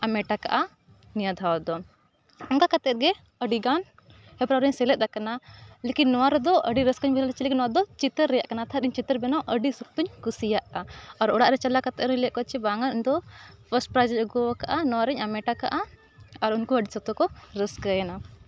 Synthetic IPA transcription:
amɛʈaka̰ʔa | nijad̪ʱawɔd̪ɔ | ɔŋkakat̪ɛt̪̚ɡɛ | əɖiɡan | hɛpɾaɾɛɲsɛlɛt̪̚ˀd̪akanalekinːɔwaɾɛd̪ɔʔəɖiɾəskɔɲbɛalt͡ʃiliknɔwad̪ɔt͡ʃit̪əɾːɛjaʔkanat̪ʰaɾiɲt͡ʃit̪əɾbɛnɔʔəɖisuk̚t̪uɲkusijaʔaɔɾɔɽaʔɾɛt͡ʃalakat̪ɛt̪ɾɛlɛʔ̚kɔt͡ʃʰɛbaŋanɲd̪ɔpʰəsʈ̚pɾad͡ʒɛlɡɔwakaʔanɔwaɾɛɲamɛʈaka̰ʔaː | ɾunkuəɖisɔt̪ɔkɔɾəskəjana

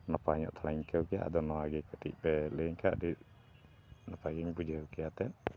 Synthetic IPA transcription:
nɔpaɲɔ̰ʔt̪ʰɔɽaɲkʰəwkɛja̰ʔa̰d̪ɔnɔwaɡɛkəʈic̚pɛləŋkʰa̰ʔdit̚ | nɔpaɡɛɲbud͡ʒəwkɛjat̪ɛʔ

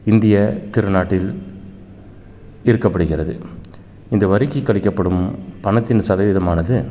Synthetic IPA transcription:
ɪnd̪ɪjɐt̪ɪɾɯnaːʈːɪl | ɪɾɯkːɐpːɐɽɯɣɪrɐðɯ | ɪnd̪ɐʋɐɾɪkːɪkːɐɭɪkːɐpːɐɽɯmpɐɳɐt̪ːɪnsɐðɐʋɪðɐmaːnɐðɯ

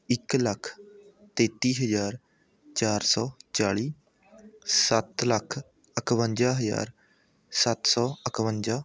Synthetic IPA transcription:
ɪkləkʰ | t̪eːt̪iːɦəzaːɾ | t͡ʃaːɾsɔːt͡ʃaːɭiː | sət̪ləkʰ | əkʰʋənd͡ʒaːɦəza̰ːɾ | sət̪sɔːəkʰʋəɲd͡ʒaː

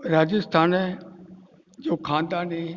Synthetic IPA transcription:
ɾaːd͡ʑɪst̪ʰaːn | d͡ʒoːkʰãːnd̪aːnɦẽ

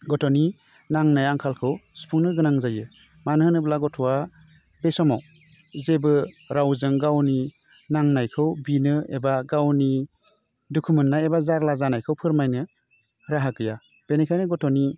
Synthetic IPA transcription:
ɡɔtʰɔni | naŋnajaŋkʰalkʰɯwsu̥pʰuŋnɯɡɯnaŋzajɯ | manɦɯnɯblaɡɔtʰɔwa | b̥esɔmaw | zebɯ | ɾawzɯŋɡawni | naŋnajkʰɯwbinɯḛbaɡawni | dukʰumɯntːajebazaɾlazanajkʰɯwpʰɯɾmajnɯ | ɾaɦakɯja | b̥enikʰajnɯɡɔtʰɔni

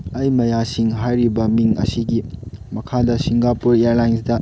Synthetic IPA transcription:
ɐjmɐjasiŋɦajɾibɐmiŋɐ̰siɡimɐkʰadɐsiŋɡapuɾijaɾlajnsdɐ

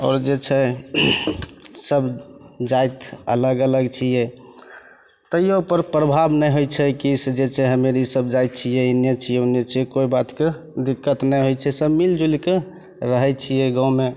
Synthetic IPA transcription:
ɔ̰ːɾd͡ʒet͡ʃʰɛ | səbd͡ʒajt̪ə̰ləɡələɡt͡ʃʰijɛ | t̪əjeupəɾpɾəbʱabnəjɦojt͡ʃʰɛkisd͡ʒet͡ʃʰɛɦəmeɾisəbd͡ʒajt̪̚t͡ʃʰijɛinjət͡ʃʰijɛunjət͡ʃʰijɛkoibat̪ke | d̪ikːət̪nəjɦojt͡ʃʰɛsəbmild͡ʒulike | ɾəɦɛt͡ʃʰijɛɡãume

